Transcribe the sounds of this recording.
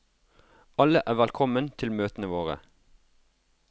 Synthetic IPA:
ʔɑləʔæːʋælkʰɔmənt̪ʰɪlmøːt̪ənəʋoːʁə̰

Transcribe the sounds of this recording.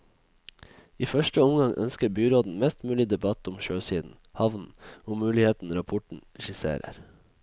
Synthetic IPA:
iːfœʃʈəʊmɡɑŋʔœ̰nskəɾbyːɾoːd̪n̩mɛst̪mʉːlɪd̪ɛbɑt̪ʊmʃøːsiːd̪n̩ | hɑʋn̩oːmʉːlɪheːt̪n̩ɾɑpʰɔʈɳ̩ɛʃɪsḛːɾə̰ɾ

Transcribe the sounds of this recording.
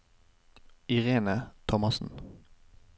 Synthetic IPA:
ɪʁeːnət̪ʰɔmɑsn̩

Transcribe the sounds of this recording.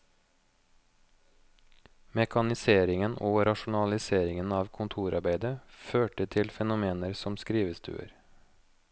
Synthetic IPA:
mɛkʰɑnɪseːɾɪŋənoːɾɑʃʊn̩ɑlɪseːɾɪŋənɑːʋkʰʊnt̪ʰuːɾʔɑ̰ɾbæɪd̪əføːʈət̪ʰɪlfɛnʊmeːnəɾsɔmskɾiːʋəst̪ʰʉ̰ːə̰ɾ

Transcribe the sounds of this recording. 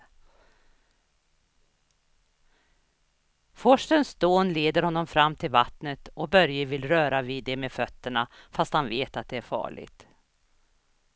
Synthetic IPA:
fɔʂʈənsd̪̥oːnleːd̪əɾhɔnːɔmfɾamːt̪ʰɪlvat̪nət̪ɔbœɾjəvɪlɾœːɾaviːd̪ːɛmeːfœt̪ːəɳa | fast̪hanveːt̪at̪̚d̪ɛæɾfɑ̰ːɭɪ̰ɡt̪

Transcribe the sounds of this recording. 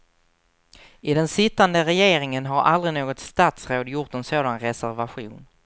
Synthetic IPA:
ɪd̪ɛnsɪt̪ːand̪əɾɛjeːɾɪŋənɦaɾʔa̰ld̪ɾɪnoːɡɔt̪st̪aːt̪sɾoːd̪jʊʈ̪ɛnsoːd̪anɾɛsæɾvaɧuːn

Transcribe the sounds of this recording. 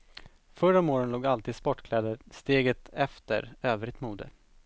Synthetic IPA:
fœɾɔmoːɾənloːɡalt̪iːd̪spɔʈːkʰlɛːd̪əɾst̪eːɡət̪ɛft̪ə̰ɾøːvɾɪt̪muːd̪ə̰

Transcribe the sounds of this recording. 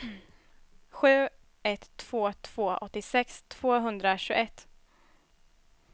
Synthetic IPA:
ɧʉ̟ː | ɛt̪ʰːv̥oːt̪ʰv̥oːʔɔt̪ːɪsɛkst̪ʰv̥oːɦɵnd̪ɾaɕʉɡɛt̪ː

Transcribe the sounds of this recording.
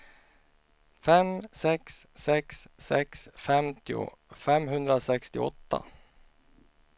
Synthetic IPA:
fɛmsɛkssɛksːɛksfɛmt̪ʰɪʊ̰ | fɛmɦɵnd̪ɾasɛkst̪ɪɔt̪ːa̰

